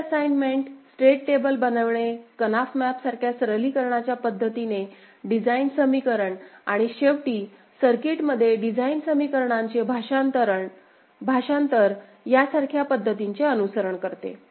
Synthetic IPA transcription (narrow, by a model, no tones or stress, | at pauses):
əsajnmeɳʈsʈɾeʈʈebəlbənəʋɳekənafmæpsaɾkʰjasɾəliːkəɾɳat͡ɕjapəd̪ʱːət̪ine | ɖid͡zainsəmikəɾəɳaɽ̃iɕeʋʈiː | səɾkiʈməd̪ʱːjeɖid͡zainsəmikəɾɳãɲt͡ɕebʱaat̪əɾəɳ | bʱaɕãnt̪əɾ | jasaɾkʰjapəd̪ʱːət̪iɲt͡ɕeənusəɾəɳkəɾt̪ḛ